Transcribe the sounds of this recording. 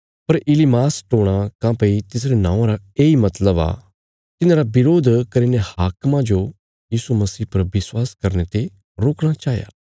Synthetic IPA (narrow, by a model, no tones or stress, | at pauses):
pɐɾɪlimaːsʈoːɽ̃akãːpeit̪ɪs̬ɾenã̰ːãɾaeːimɐt̪ləba̰ː | t̪ɪnãɾabɪɾoːd̪ʱkɐɾinehaːkmãd͡ʒo | jiːsumɐsiːpɐɾʋɪswaːskɐɾnet̪e | ɾoːkɽ̃at͡ʃaːɦja̰ː